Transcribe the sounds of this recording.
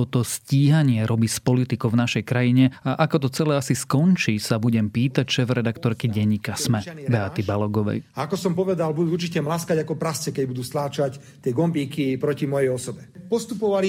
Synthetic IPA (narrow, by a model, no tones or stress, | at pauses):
ɔt̪ɔsciːɦaɲɪɛɾɔbispɔlit̪ikɔʊvnaʃɛjkɾajiɲɛaʔakɔt̪ɔt͡sɛlɛasiskɔnt͡ʃiːsabuɟɛmpiːt̪acʃɛːvɾɛd̪akt̪ɔɾkiɟɛɲːiːkasmɛbɛat̪ibalɔɡɔʋɛ̰jaakɔsɔmpɔʋɛd̪albud̪uːuɾt͡ʃicɛmlaskaɟakɔpɾast͡sɛkɛɟbud̪uːst̪laːt͡ʃac | t̪ɪɛɡɔmbiːkipɾɔcimɔjɛjɔsɔbɛpɔst̪upɔʋali